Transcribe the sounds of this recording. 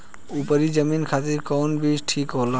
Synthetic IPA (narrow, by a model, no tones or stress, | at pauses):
upəɾid͡ʑəminkʰat̪iɾkɔnbiʃʈʰikɦola